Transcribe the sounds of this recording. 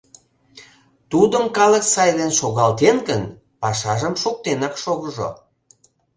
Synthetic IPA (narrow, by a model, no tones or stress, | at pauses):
t̪ud̪əmkɑləksɑjd̪enʃoɣɑlt̪enɡən | pɑʃɑʒəmʃuk̚t̪enɑkʃoɣəʒo̰